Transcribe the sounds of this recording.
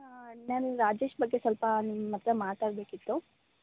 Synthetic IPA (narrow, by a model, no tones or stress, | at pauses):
naːnuɾaːd͡ʒe̞ːʃbɐɡːe̞sɐlpɐnmːɐt̪ɾɐmaːt̪aːɽbe̞ːkit̪ːu